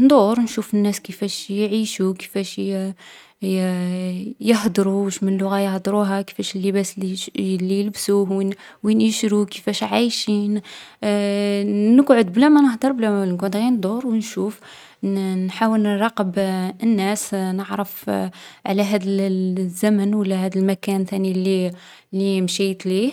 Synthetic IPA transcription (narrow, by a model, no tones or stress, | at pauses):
nd̪ˤuɾnʃufənːæskəfæʃjʕiʃukə̥fæʃ | jəhd̪ˤɾuwəʃmənlːʊɣæjəhd̪ˤɾuɦækə̥fæʃəlːəbæsilijəlbsuhwi | winəʃɾukəfæʃʕajʃin | nəɡʕod̪̚blæmænəhd̪əɾˤblæmænəɡʕod̪ɣind̪ˤuɾˤwnʃuf | nħawəlɾˤɑqəbənːæsnəʕɾəfʕlæɦæd̪əlzːæmənwəlːæhæd̪əlmækænt̪ænilːi | lːimʃæjt̪lih